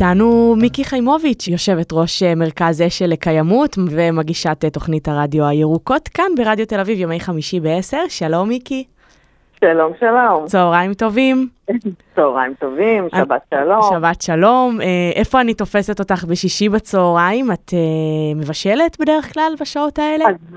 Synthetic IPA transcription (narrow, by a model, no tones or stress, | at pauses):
tanumikiχajmo̞vit͡ʃjo̞ʃe̞vetʁo̞ʃeme̞ʁ̞kazeʃelekajamutvemaɡiʃatetoχnithaʁadjoajeʁuko̞t̪kanbe̞ʁadjo̞te̞lavivjo̞me̞jχamiʃibeese̞ʁʃalo̞mːiki | ʃalo̞mʃalomt͡soːʁaimto̞vimt͡soːʁaimt̪ovimʃabatʃaloʃabatʃalo̞meʔe̞fo̞anito̞fe̞seto̞taχbe̞ʃiʃibat͡soːʁaimatʰeme̞vaʃe̞letbe̞deeχklalbaʃao̞tae̞lz